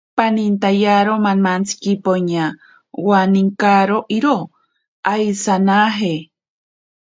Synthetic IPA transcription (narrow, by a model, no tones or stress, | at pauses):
panint̪ajaɾomanmant͡sʰi̥kipoɲa | waniŋkaɾoʔiɾo | ajsanaɦe